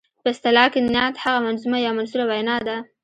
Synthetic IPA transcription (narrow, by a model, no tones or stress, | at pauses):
pəɪst̪ɪlɑkɪd̪nɑt̪haɣamanzumajɑmanzulawajnɑd̪a